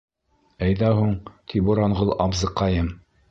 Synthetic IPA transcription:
æjðæhuɴt̪ʰibuɾɑɴʁɤlˠɑbzɤ̆qːɑjɤm

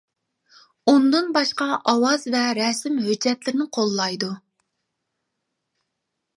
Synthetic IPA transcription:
und̪ɨnbɑʃqɑʔɑwɑzvɛɾɛsɪmhød͡ʒːɛt̪lɪɾɪnɪqʰolˠːɑjd̪u

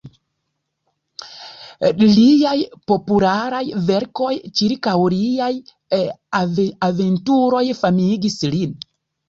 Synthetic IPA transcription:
liajpo̞pulaɾajve̞ɾko̞jt͡ʃiɾkawliaj | aventuɾo̞jfamiɡislin

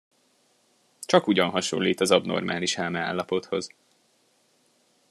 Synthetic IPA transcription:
t͡ʃɒkuɟɒnɦɒʃo̰lːiːt̪ɒzɒbno̞̰rmʔaːliʃaːmɛa̰ːlːɒpo̞t̪ho̞z

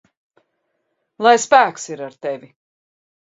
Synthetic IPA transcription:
lˠajspæːksiɾaɾt̪evʲi

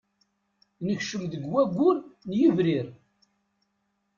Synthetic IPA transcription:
nəçʃəmðəɡwæɡʷːʊɾnjivɾiɾ

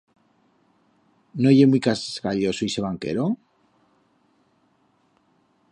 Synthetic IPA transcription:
noʝemwuijkaseskaʎosoise̞βaŋkḛɾo

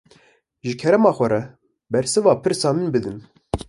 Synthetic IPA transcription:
ʒɨkʰɛɾɛmɑːxʷɛɾɛ | bɛɾsɨvɑːpʰɨɾsɑːmɨnbɨd̪ɨn

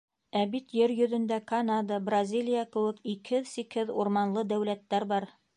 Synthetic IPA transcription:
æbit̪jɘɾjɵ̆ðɵ̆nd̪ækɐnad̪əbrɐzʲilʲijakɘ̆wɘ̆kikhɘðsikhɘðuɾmɑnlˠɤd̪æwlæt̪ːæɾbɑɾ

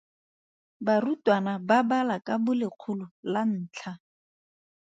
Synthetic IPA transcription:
barutwanababalakʼabʊlɪq͡χʰulʊlan̩ːt͡ɬʰa

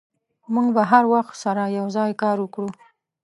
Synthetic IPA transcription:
muŋɡbaɦaɾwaxt̪saɾajawzɑjkɑɾwəkɽu

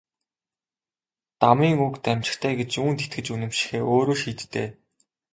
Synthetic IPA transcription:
t̪amiːŋukt̪æmʲt͡ɕɪ̥̆xt̪ʰæːɡet͡ɕuːnt̪ʰet̪̚ɡɘ̆t͡ɕunɘ̆mʃɪ̥̆xeːʔoːɾoːʃiːt̪ːḛː

